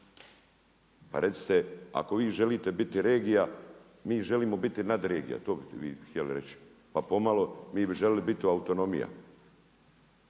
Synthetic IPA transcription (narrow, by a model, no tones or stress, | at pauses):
pa̰ɾe̞t̪si̥t̪ea̰ko̞ʋiːʒe̞liːt̪e̞bit̪iɾe̞ːɡija | miːʒe̞liːmo̞bit̪inad̪ɾe̞ːɡḭja̰t̪oːbiʋḭːxt̪ʲjeliɾet͡ɕi̥ | papo̞malo̞miːbiʒelilibit̪iuaut̪o̞no̞mḭja̰